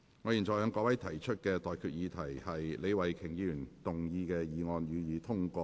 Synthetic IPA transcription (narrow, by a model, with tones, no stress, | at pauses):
ŋɔː˨˧jiː˨˩nt͡sɔː˨jhœː˨˧ŋkɔː˧˥wɐ˨˥jt̪ʰɐ˨˩jt͡ʃʰɵ˥t̚kɛː˧t̪ɔː˨jkʰyː˨t̚jiː˨˧t̪ʰɐ˨˩jhɐ˨jle˨˧jwɐ˨˩jkʰɪ˨˩ŋjiː˨˧jyː˨˩nt̪ʊ˨ŋjiː˨˧kɛː˧jiː˨˧ŋɔː˧njyː˨˧jiː˨˧t̪ʰʊ˥ŋkɔː˧